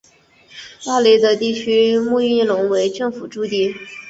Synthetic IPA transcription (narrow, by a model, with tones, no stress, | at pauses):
t̪a˥˩li˥d̪ə˧t̪i˥˩t͡ɕʰy˥mu˥˧i˥˩lʊ˧˥ŋwe˧˥ɪʈ͡ʂɤ˥˩ŋfu˨˩ʈ͡ʂu˥˧t̪i˥˩